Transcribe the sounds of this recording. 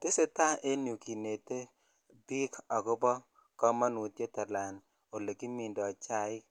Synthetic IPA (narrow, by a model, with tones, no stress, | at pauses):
te˦se˦ta˦ʔe˦njo˨ki˨ne˨te˦ | bi˦ka˨ɡʊ˦bɔ˦ | kɔ˦ma˦nu˨tje˦ta˨la˨n | o˨le˨ki˦mi˨ndɔ˨t͡ʃa˦ɪ˦